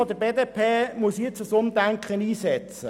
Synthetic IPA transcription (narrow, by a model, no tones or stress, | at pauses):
ɔd̪əbeːd̪epʰeːmuəsiɪt͡sʊsʊmd̪æŋkχəniːsɛt͡sə